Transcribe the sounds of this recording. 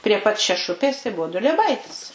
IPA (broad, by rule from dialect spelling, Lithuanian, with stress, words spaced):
pʲrʲiɛ pɐt ʃʲɛˈʃʊpʲeːs tɐɪ ˈbʊʋʊ dʊlʲiɛˈbɐɪtʲɪs